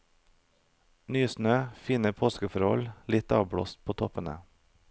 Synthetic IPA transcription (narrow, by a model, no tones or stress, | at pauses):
nyːsnøːfiːnəpʰoːskəfɔɾɔ̰llɪt̪ɑ̰ːʋbɽo̰ːst̪̚pʰoːt̪ʰɔpənə̰